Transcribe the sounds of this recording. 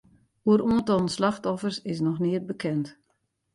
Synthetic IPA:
uəɾuəntɔlˠn̩slaxtɔfərsɪs̬nɔxnɪət̚bəkʰɛnt

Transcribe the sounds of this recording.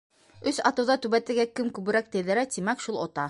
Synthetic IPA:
ɵsɑt̪ɤ̆wðɑt̪ʉβæt̪ɘ̆ɾɡækɘmkʉβɘ̆ɾæk̚t̪ɘ̆jðɘ̆ɾæt̪imækʃulˠot̪ɑ

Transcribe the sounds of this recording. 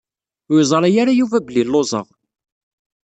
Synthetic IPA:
izˤɑɾˤæjaɾajuvæbəlilːozˤə̰ʁ

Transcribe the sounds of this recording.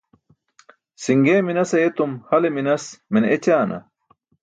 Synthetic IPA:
siŋɡeːminɐsɐjet̪umhɐleminɐsmenet͡ɕaːnɐ̰

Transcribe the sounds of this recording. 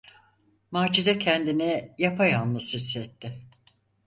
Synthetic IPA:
maːd͡ʒiɾɛcʰɛnd̪inɛjapʰajanlɯsisːɛt̪ʰːɪ

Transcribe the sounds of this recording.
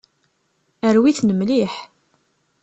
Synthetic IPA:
əɾwiθnəmliħ

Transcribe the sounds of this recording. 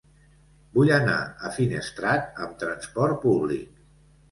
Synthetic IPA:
bujəna̰əfinəst̪ɾat̪̚əmt̪ɾənspɔɾt̪̚puβlḭk̚

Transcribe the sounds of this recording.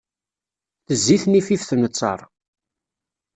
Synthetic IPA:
θəzːiθnififθənət͡sˤːɑ̰ɾˤ

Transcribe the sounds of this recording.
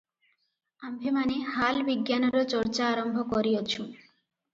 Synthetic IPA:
ambʱemanehalbiɡjanɔɾot͡ɕɔɾt͡ɕaːɾɔmbʱɔkɔɾiot͡ɕʰũ

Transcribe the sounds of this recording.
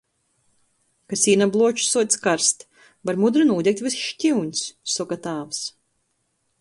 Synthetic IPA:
kasʲiːnablˠuɔt͡ʃsuɔskaɾst̪ | baɾmud̪ɾɨnuːdʲɛk̚t̪ʲvisʃtʲiwɲʲsːɔkat̪aːvs

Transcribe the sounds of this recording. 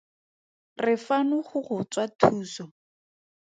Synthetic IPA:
rɪfanʊχʊχʊt͡swatʰuːsɔ

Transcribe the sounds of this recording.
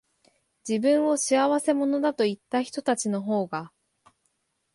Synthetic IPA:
d͡ʑibɯ̟̃ɰ̃o̞ɕiaβase̞mo̞no̞d̪at̪o̞it̪ːaçi̥t̪o̞t̪at͡ɕino̞ɦo̞ːɡa

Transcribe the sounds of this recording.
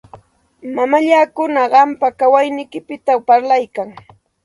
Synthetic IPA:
mamaʎaːkʊnaɢɑmpakawajnɪjkɪpɪt̪apaɾlajkaŋ

